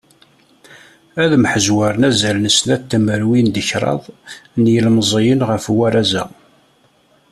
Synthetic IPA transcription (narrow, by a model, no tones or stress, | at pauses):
æðmħəzwaɾˤnæzælnəsnæt̪ːəməɾwind̪əçɾˤɑ̰ðˤnjəlmzˤijənʁəfwæɾˤæzæ̰